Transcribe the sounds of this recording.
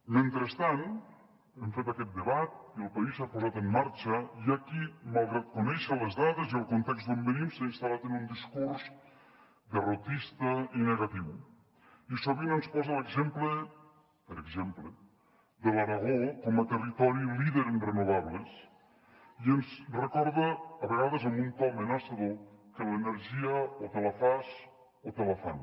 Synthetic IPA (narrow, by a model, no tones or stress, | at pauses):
ment̪ɾəst̪an | ɛmfet̪akɛt̪̚d̪əβat̪̚iəlˠpaisapuzat̪əmːaɾt͡ʃəiakimalˠɣɾat̪̚kunɛʃələzðaðeziəlˠkunt̪ɛkztd̪ombənimseinst̪alat̪ənund̪iskuɾz | d̪ərot̪ist̪əineɣat̪iw | isoβinənspɔzələɡzemplə | pəɾəɡzemplə | d̪əlaɾaɣokɔmət̪ərit̪ɔɾiliðəɾərənuβaβles | iənzrəkɔɾðəːβəɣaðəzəmbunt̪ɔmenasəðokələnəɾʒiəot̪eləfas | ot̪eləfa̰n